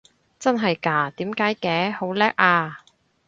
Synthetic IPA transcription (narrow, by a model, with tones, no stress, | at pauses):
t͡sɐ˥nɦɐ˨jkaː˧t̪iː˨˥mkaː˨˥jkɛː˨˥ho˨˥wlɛː˥k̚ʔaː˧